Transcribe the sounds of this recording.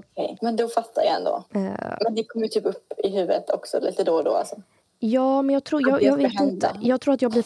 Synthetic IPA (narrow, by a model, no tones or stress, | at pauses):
kʰɛ̰jmɛnd̪ɔfat̪ʰːaɾja̰ɛ̰nd̪o̰ːmɛnd̪ɛkʰɔmːəjt̪ʰyːpɵpːɪɦʉ̟ːvɾət̪ʰɔksɔ̰lḭːt̪əd̪oːd̪o̰ːa̰lsɔ | jɑːmɛnjɑːɡt̪ʰɾuːjɑːɡjɑːɡveːt̪ɪnt̪ə̰jɑːɡt̪ʰɾuːɾat̪jɑːɡblɪ